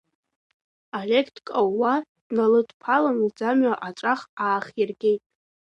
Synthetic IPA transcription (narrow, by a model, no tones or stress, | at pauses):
alʲekʰtʰkʼaːad̥nalɨdpʰalanid͡zamɥaʔaʈ͡ʂʼaχaːχjarɡʲejtʼ